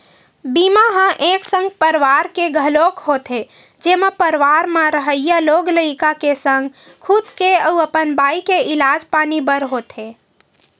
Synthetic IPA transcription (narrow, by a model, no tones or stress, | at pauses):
bimaɦãʔeːksə̃ŋɡ̚pəɾʋaɾkeɡʱəlokɦot̪ɦe | d͡ʒeːmepəɾʋaɾmãɾəɦəjjaloɡləikakesə̃ŋɡ | kʰud̪keəuəpənbaːikeɪlaːd͡ʒpaːnibəɾɦot̪ɦe